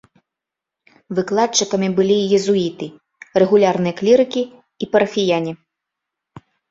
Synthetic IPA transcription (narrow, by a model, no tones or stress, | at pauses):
vɨklˠat͡ʂːɨkɐmʲibɨlʲijɛzuit̪ɨ | rɛɣulʲarnɨjɐklʲiɾɨkʲiː | pɐɾɐfʲijanʲi